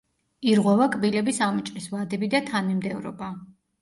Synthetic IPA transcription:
iɾʁwɛvakʼbilɛbisamut͡ʃʼɾisvad̪ɛbid̪at̪ʰanimd̪ɛvɾɔ̰ba

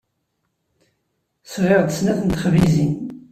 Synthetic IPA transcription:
sʁeʁd̪əsnæθənt̪χvizin

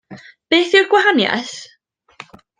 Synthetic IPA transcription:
b̥eːθɪwɡ̥waɦanja̰θ

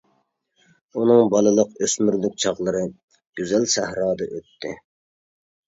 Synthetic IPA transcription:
unɨŋbɑlˠɨlˠəqøsmyɾlyk̚ʲt͡ʃʰɑʁlˠəɾɨ | ɡ̥ʲyzælsæhɾɑːd̪ɨʔøt̪ʰːɪ

